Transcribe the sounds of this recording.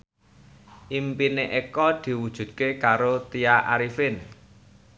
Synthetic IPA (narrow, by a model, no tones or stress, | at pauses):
ʔimpineʔekɔd̪̥i̤wud̥ʒ̥ṳd̪̚kekaɾot̪ijaʔa̰ɾifɪn